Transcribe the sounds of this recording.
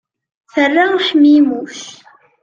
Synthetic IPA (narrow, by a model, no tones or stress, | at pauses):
θərːaʃmimuθ